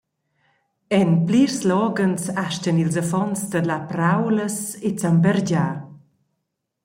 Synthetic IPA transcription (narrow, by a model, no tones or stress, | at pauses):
ɛnplirslɔːɡənsaʃcənilzafɔnt͡sd̪əlapɾawləset͡sambɛrɟaː